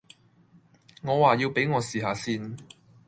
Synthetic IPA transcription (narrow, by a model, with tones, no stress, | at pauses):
ŋɔː˨˧waː˨ji˧wpe˨˥jŋɔː˨˧siː˨˩ɦaː˨˧siː˧n